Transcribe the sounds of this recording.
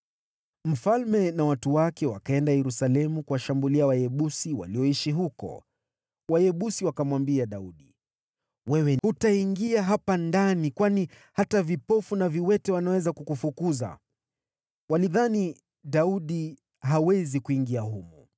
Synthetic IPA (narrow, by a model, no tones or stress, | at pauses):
m̩falmɛnawatuwakɛwakaɛndajɛɾusalɛmukuwaʃambuliawajɛɓusiwa̰liɔiʃiɦukɔ̰ | wajɛɓusiwakamwambiaɗauɗi | wɛwɛhutaiŋɡiaɦapandanikwani | hatavipɔfunaviwɛtɛwanawɛzakukufukuza̰ | waliðani | ɗauɗi | ɦawɛzikuiŋɡiaɦumu